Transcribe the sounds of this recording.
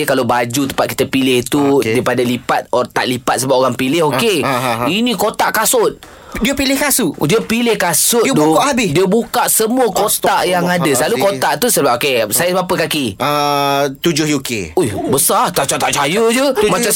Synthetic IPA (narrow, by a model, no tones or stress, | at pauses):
kalabad͡ʒut̪əmpat̪̚ki̥t̪əpilɪht̪udaipadalipat̪̚t̪a̰ʔlipat̪̚səbap̚oɾaŋpilɪɦokeinĩkot̪aʔkasʊt̪̚ | diəpilɪhkasuʔdiəpilɪhkasʊt̪̚daʔhabɪdiəbukaʔsəmuəkot̪aʔjaŋadasəlalukot̪aʔt̪usəbap̚okesajəbapəkakiət̪ud͡ʒʊhjukeoihbəsart̪aʔt͡ʃat̪aʔt͡ʃajud͡ʒəmãt͡ʃa